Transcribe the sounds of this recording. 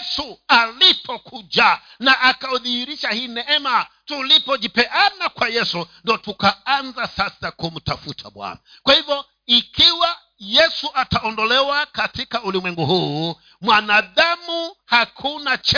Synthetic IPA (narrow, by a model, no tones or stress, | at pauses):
sualipʰɔkʰud͡ʒa | naʔːkaɔðihiɾiʃahiːnɛɛma | tulipɔd͡ʒipɛʔanakwajɛsundiɔtukaanzasasakum̩tafutʰa̰ɓwa̰na | kwahivjɔ | ikiwa | jɛsuʔataɔndɔlɛwakatikaulimwɛŋɡuhuː | mwanaðamuhakʰunat͡ʃ